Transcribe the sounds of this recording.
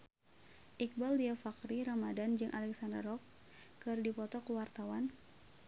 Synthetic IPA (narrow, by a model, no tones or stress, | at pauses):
ʔik̚baldiafakɾiɾamadand͡ʒɨŋʔalɛksandə̰rɔkː | ɨrdipɔt̪ɔkuwart̪awan